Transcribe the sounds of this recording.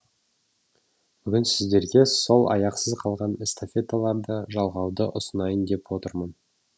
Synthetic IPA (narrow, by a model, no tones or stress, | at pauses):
b̥ʏɡʲɪnsɪzd̪e̞ɾɡʲe̞so̞lˠɑ̰jɑqsəzqʰɑlˠʁɑnɪst̪afʲe̞t̪ːalˠɑɾd̪əʒɑlˠʁɑwd̪əʔʊsənɑjənd̪e̞pwo̞t̪əɾmən